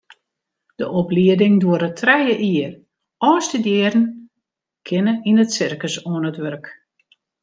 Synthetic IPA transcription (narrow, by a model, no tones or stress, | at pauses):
d̥əʔɔpliədɪŋduəɾətʰrɛjəʔiər | ɔːsdədjɪərn̩ | kʰɪnəinətsɪrkəsoənətʋørk